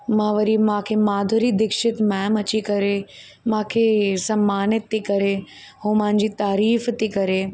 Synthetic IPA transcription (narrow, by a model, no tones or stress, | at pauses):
mãːʋɐɾimãːkʰemaːd̪ʱoɾid̪ɪkʃɪt̪mɛ̃ːmɐt͡ɕikɐɾe | mãːkʰesɐmːaːnɪt̪t̪ikɐɾe | ɦõːmãɪ̃ɲd͡ʑit̪aːɾiːft̪ikɐɾe